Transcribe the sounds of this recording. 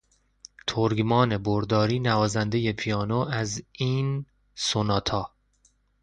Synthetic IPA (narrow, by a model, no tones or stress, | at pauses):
t̪ʰoɾɡmɒːne̞boɾd̪ɒːɾiːnævɒːzænd̪e̞je̞pʰijɒːnoæziːn | sonɒːt̪ʰɒː